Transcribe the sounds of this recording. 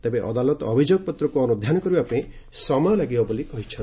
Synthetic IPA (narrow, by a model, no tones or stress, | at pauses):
t̪ebeʔɔ̰d̪alɔt̪ɔbʱid͡ʒoɡɔpɔt̪ɾɔkuɔnud̪ʱjanɔkɔɾibape | sɔmɔjɔlaɡibabulikɔɦit͡ʃʰɔn